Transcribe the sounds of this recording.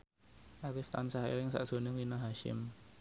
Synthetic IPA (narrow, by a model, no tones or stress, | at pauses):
ʔakɪft̪ansaɦḛlɪŋsa̰ʔʒ̥o̤nɪŋwinaɦaʃɪ̰m